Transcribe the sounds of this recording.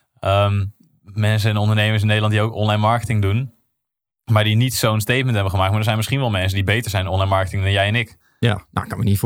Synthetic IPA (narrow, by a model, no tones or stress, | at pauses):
ʔəm | mɛns̬əɛnɔndəɹnejməɹs̬ɪnːejdlɑntdiowkɔ̰nlɛjnmɑɹkətɪŋdun | maːɹdinitsownstejt̚mɛntɦɛbənχəmaːk̚t̚maɹdəɹzɛjnmɪsχinʋɛlˠmɛnsəndibejtəɹzɛjnɔnlɑjnmɑɹkə̥tɪŋdɑnjɛjɛnɪk | jana̰kɑnənif